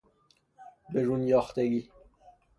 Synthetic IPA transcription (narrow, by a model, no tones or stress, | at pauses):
beɾunjɒːxt̪eɡiː